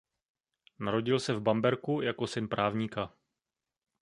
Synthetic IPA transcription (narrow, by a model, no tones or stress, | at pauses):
naɾo̞ɟɪlsɛvbambɛɾkujako̞sɪnpɾʔaːvɲiːka